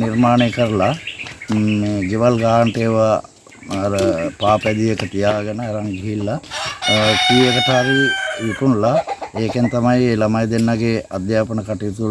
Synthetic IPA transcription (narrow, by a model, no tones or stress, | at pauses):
niɾmaːɳekəɾəla | eɡeʋɐlɡaːɳʈeːʋɐː | ɾəpaːpɛd̪ijekət̪ijaːɡɐnəeɾaŋɡiɦilːa | kiːekəʈaːɾijuʈunlaeːkent̪ɐmɐjelɐmɐjd̪enːaɡead̪jaːpənəkaʈit̪u